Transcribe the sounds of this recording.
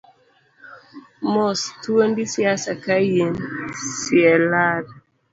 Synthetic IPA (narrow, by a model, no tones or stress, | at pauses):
mɔstuondisiasakajensiɛlaɾ